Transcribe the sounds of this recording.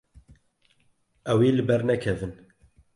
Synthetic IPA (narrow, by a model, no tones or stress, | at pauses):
ʔɛwiːlɨbɛɾnɛkʰɛvɨn